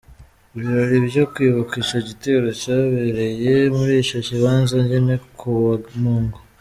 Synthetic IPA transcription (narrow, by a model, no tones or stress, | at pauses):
iβiɾoɾiβjokwiβakiʃaɟiteɾocaβeɾe̞je̞muɾiːʃociβaːnzaɲɟene̞kʰuβanuːŋɡo